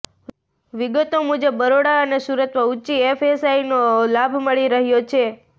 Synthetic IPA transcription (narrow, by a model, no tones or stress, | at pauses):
ʋiɡət̪omud͡ʒəbːəɾoɽaənesuɾət̪ʋəuːt͡ʃiefesainolabʱməɭiɾəɦjot͡ʃʰe